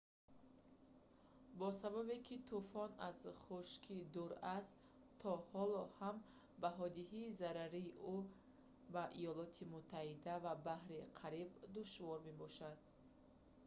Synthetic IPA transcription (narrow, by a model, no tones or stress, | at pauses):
bɔsababekʰit̪ʰufɔnazχuʃkʰid̪uɾast̪ | t̪ʰːɔhɔlɔham | baɦɔd̪iɦiːzaɾaɾiːʔu | baʔijɔlɔt̪ʰimut̪ʰːahid̪avabahɾiqʰaɾibd̪uʃvɔɾme̞bɔʃad̪̚